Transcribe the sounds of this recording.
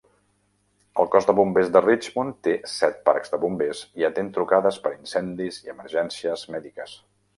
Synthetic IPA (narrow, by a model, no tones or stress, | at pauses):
əlˠkɔzd̪əβumbezd̪ərid͡ʒmont̪esɛt̪̚pa̰ɾkzd̪əβumbesiət̪ent̪ɾukaðəspəɾinsɛnd̪iziəməɾʒɛnsiəzmɛðikəs